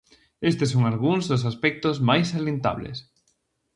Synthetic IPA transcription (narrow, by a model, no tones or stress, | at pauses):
est̪esoŋalɣuŋzðos̬aspɛk̚t̪ozmajsalẽnt̪a̰βlḛs